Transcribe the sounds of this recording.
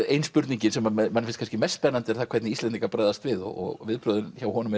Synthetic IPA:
ejnspʏɾt̪niɲcɪnsɛmamanːɪfɪnst̪kʰanscɪmɛsːpɛnːant̪ɛɾθakʰvɛɾt̪nɪisɛnt̪iŋkapɾaːjðast̪vɪðɔ̰ɔ̰ɣvɪðpɾœðʏnçawhɔnʏmɛ

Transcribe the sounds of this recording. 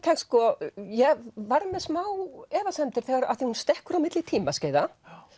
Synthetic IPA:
kʰaskɔjɛvaɾmɛðsmaːwɛːvasɛnt̪ɪɾ̥θɛɣaɾa̰ðθihunst̪ɛhkʏɾawmɪt̪lɪt̪ʰiːmasceːjða

